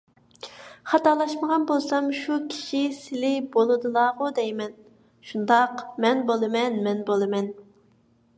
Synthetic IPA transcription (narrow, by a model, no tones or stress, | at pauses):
χɑt̪ɑlˠɑʃməʁɑnbolˠsɑmʃukʲʰi̥ʃisɪlɪbolˠɨd̪ɨlˠɑːʁʊd̪ɛjmɛn | ʃund̪ɑqmɛnbolˠɨmɛnmɛnbolˠɨmɛn